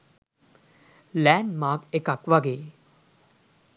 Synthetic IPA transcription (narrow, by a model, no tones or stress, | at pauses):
læːnmaːkekakʋaɡeː